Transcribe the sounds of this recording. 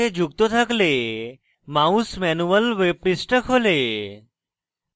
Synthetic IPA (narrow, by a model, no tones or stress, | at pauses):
ed͡ʑʱuɡ̚t̪ot̪ʰəkle | maũsmɛnuʋəlʋepɾisʈəkʰole